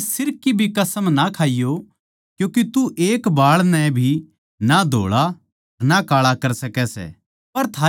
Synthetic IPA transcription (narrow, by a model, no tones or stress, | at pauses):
sɪɾkːibʱikɐsəmnakʰaːijo | kjũːket̪uʔeːkbaːɭnɛ̃bʱi | nad̪ʱo̰ːɭa | nakaːɭakɐɾsɐkɛsɛ̰ː | pɐɾt̪ʰaː